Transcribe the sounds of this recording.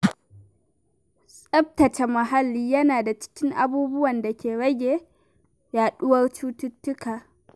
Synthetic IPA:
sʼɐ˦b̚tɐ˨t͡ʃa˨mɐ˨ɦa˦lːiː˦jɐ˦naː˨da˨t͡ʃɪ̥˦kʲɪ˦ŋʔa˨buː˦bʊ˦wɐ˨nda˨kʲeː˨ɽɐ˦ɡʲeː˨ | jaː˨ɗʊ˦wɐ˦rt͡ʃuː˦tʊ˦tːʊ˦kaː˨

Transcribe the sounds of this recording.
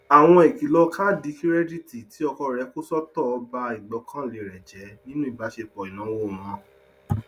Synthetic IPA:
a˨w̃ɔ̃˧e˨ki˨lɔ˧kʰa˦di˧˦ki˦ɾɛ˦di˦ti˨ti˨˦ɔ˧kɔ˧ɾɛ˨˦ko˦sɔ˦tɔ˦˨ɔ˧ba˧i˨ɡ͡bɔ˨˧˦kʰã˦le˨ɾɛ˨d͡ʒɛ˨˦nĩ˦nũ˦i˨ba˨˦ʃe˧k͡pɔ˨i˨nã˨˦wo˦˨m̃ɔ̃˧

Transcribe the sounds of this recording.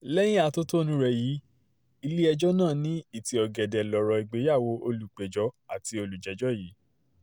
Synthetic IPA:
lɛ˦j̃ĩ˦a˧to˦to˦nũ˦ɾɛ˧˨jiː˨˦ | i˧li˦ɛ˧d͡ʒɔ˦nãː˦˨nĩ˦i˦˨ti˧˦ɔ˧ɡɛ˨dɛ˨lɔ˨ɾɔ˨˧i˨ɡ͡be˨˦ja˦˨wo˧˦o˧lu˨k͡pe˨d͡ʒɔ˨˦a˦˨ti˧o˧lu˨d͡ʒɛ˨˦d͡ʒɔ˦˨ji˨˦

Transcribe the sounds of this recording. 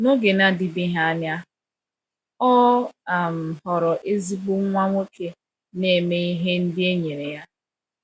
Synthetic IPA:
no˦ɡe˨na˦dɪ˨bi˦ɦa˦a˦nja˦ | ɔ˦a˨m̩˨hɔ˨ɾɔ˨ʔe˦zi˦ɡ͡bu˦ŋʷa˦ŋʷo˦ke˨ | ne˨me˦i˦ɦe˦n̩˦dɪ˦e˦ɲe˨ɾe˨ja˦

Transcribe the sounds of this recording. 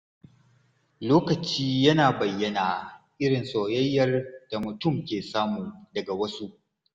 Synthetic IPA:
loː˦kɐ˨t͡ʃiː˦jɐ˦naː˨bɐ˨jːɐ˦naː˨ʔɪ˦ɽɪ˨nsoː˨jɐ˦jːɐ˨rd̥a˨mʊ˨tʊ˦mkʲeː˨saː˦muː˨dɐ˨ɡa˨wɐ˦su˦ʔ

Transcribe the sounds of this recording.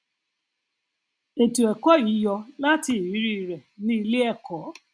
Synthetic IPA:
e˨tu˨e˨kɔ˦i˨˦jɔ˧la˦tɪ˨wi˨˦ɾi˦˨ɾe˨ni˦li˦e˦kʰɔ˨˦

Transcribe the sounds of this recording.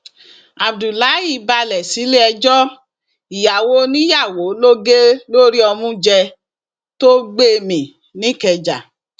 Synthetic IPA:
a˨bdu˨la˨˦ji˦˨ba˧lɛ˨si˨˦le˦ɛ˧d͡ʒɔ˦ | i˨ja˨wo˦nĩ˦ja˦˨wo˨˦lo˦ɡe˦lo˦ɾi˦ɔ˧mũ˦d͡ʒɛ˧ | to˦ɡ͡be˦˧mĩ˨ | nĩ˦kɛ˨d͡ʒa̰˨

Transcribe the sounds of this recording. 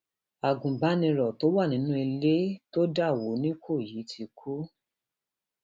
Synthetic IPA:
a˨ɡũ˨ba˨˦nĩ˧ɾɔ˨to˨˦wa˦˨nĩ˨˦nũ˦i˧le˦to˦da˦˨wo˨˦nĩ˦kʰo˦˨ji˨˦tʰi˧kʰu˦

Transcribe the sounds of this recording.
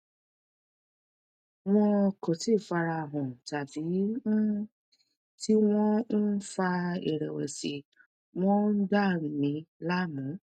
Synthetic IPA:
w̃ɔ̃˧ko˨ti˦˨fa˧ɾa˧˨ɦɔ̃˨ta˨bi˨˦ɔ̃˦ | ti˦w̃ɔ̃˦n̩˦fa˧ḛ˨ɾɛ˨wḛ˨si˨ | w̃ɔ̃˦nn̩˦da˦˨mĩ˨˧˦la˦mũ˨˦

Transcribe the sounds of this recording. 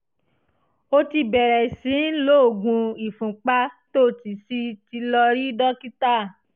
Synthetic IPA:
o˧ti˧bɛ˨ɾɛ˨sĩ˨˦lo˦o˨ɡũ˧i˨fũ˨k͡pa˦to˦˨ti˨si˦ti˧lɔ˧ɾi˦dɔ˦ki˦ta˦˨

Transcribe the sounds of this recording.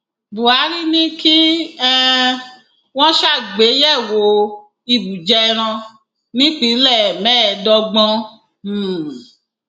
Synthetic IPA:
bu˨a˨˦ɾi˦nĩ˦ki˦ɛ˦ | w̃ɔ̃˦ʃa˦˨ɡ͡be˨˦jɛ˦˨wo˨˦ | i˧bu˨d͡ʒɛ˧ɾ̃ã˧ | nĩ˦k͡pi˨˦lɛ˦˨mɛ̃˦˨dɔ˧ɡ͡bɔ̃˧˦˨

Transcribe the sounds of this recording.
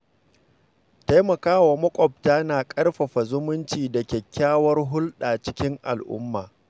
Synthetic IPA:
ta˦jmɐ˨kaː˦wa˨mɐ˦kʷʼɔ˨b̚taː˦naː˨kʼɐ˦rɸɐ˨ɸa˨zʊ˦mʊ˦nt͡ʃiː˨da˨kʲɛ˨kʲːaː˦wɐ˦rɦʊ˦lɗaː˨t͡ʃɪ˦kʲɪ˦ŋʔa̰˨lʔʊ̰˦mːaː˨

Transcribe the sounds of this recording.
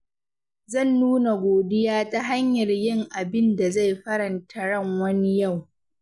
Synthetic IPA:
zɐ˦˨nːuː˦na˨ɡʷoː˨dɪ˦jaː˦ta˦ɦa˦ɲjɐ˨rjɪ˦˨ŋʔa˨bɪ˦nda˨za˦˨jɸɐ˦ɾɐ˨ntʰɐ˦ɽɐ˦˨ŋwɐ˦ni˦ja˦˨w

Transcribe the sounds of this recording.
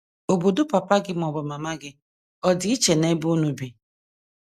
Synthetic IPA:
o˨bo˨do˦pa˨pa˦ɡɪ˦m˨ɔ˨bʊ˨ma˨ma˦ɡɪ˦ | ɔ˦dɪ˨˦i˦t͡ʃe˨ne˦bu˦nu˨bi˨

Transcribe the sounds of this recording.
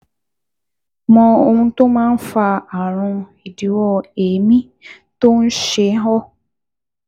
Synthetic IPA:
mɔ̃˧o˧hũ˧to˦mãː˦n̩˦fa˧a˨ɾ̃ũ˧i˨di˨˦wɔ˦˧e˨mĩ˦ | to˦n̩˦ʃe˧˦ɦɔ˦

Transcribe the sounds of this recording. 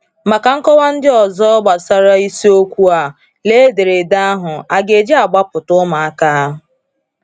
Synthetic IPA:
ma˨ka˨ŋ̩˦kɔ˦wa˦n̩˦dɪ˦ɔ˨zɔ˦ɡ͡ba˨sa˦ɾa˦i˦si˦o˦kʷu˦a˨ | le˦de˨ɾe˨da˦a˦ɦʊ˨a˨ɡe˨d͡ʒe˦a˨ɡ͡ba˦pʊ˨tʊ˦ma˨a˦ka˦a˦ɦʊ˨

